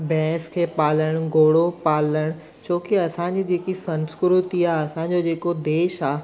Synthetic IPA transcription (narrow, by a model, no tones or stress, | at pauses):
bɛ̃ːskʰeːpaːləɽ̃ɡoːɽopaːləɽ̃ | t͡ɕoːkiɐsãɲd͡ʑid͡ʑeːkisɐ̃nskɾʊt̪iaːɐsãɲd͡ʑod͡ʑeːkod̪eːʃaː